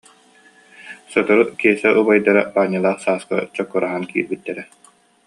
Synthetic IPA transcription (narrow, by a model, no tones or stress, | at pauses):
sɔt̪ɔɾukiɛsɛʔubajd̪aɾabaːɲːalˠaːχsaːska̰t͡ɕɔkːɔɾaɦankḭːɾbit̪ːɛɾɛ